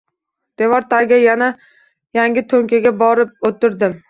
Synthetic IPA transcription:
d̪̥evɒɾt̪ʰaɾɡʲajana | jaŋɡʲɪt̪ʰoŋkʲʰaɡʲabɒɾɪp̚ot̪ʰːɪɾd̪ɪm

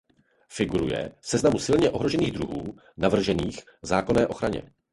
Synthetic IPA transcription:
fɪɡuɾṵjɛ̰sɛznamusɪlɲɛʔo̞ɦɾo̞ʒɛniːɣd̪ɾuɦuː | navr̩ʒɛniːx | zaːko̞nɛːʔo̞xɾaɲɛ̰

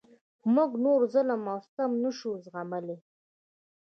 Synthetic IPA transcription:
muɡnoɾzəlamawft̪amnəʃuzɣaməle

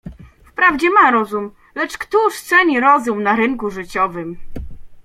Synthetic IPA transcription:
fpɾavd͡ʑɛmaɾɔzum | lɛt͡ʂkt̪uʂt̪sɛɲiɾɔzumnaɾɘŋkuʐɘt͡ɕɔvɘm

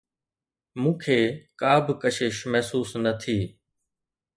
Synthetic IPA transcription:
mũːkʰeːkaːbɪkəʃeːʃmɛɦsuːsnət̪ʰiː

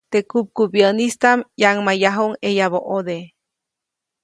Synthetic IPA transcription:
t̪ekup̚kubjənist̪amjaŋmajaɦoŋejaβoʔod̪e

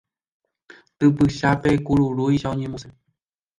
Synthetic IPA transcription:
t̪ɨpɨʃapekuɾuɾuiʃaõɲẽmose

